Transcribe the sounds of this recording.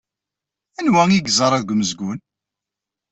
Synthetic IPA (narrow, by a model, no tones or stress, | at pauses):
ænwæŋiɡzɑɾˤæðɡʷməzɡʷʊn